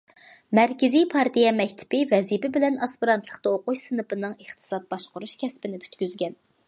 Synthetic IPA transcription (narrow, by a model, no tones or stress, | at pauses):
mæɾkʲɪzijpʰɑɾt̪ijɛmɛkʲt̪ʰɪ̥pɪvɛzipɪbɪlɛnɑspiɾɑnt̪ʰlˠəχt̪ɑoqut͡ʃsɨnɨpɨnɨŋeχt̪ʰɨ̥sɑt̪̚bɑʃqʊɾuʃkʲʰɛspɪnɪpʰy̥t̪kʲyzɡʲɛn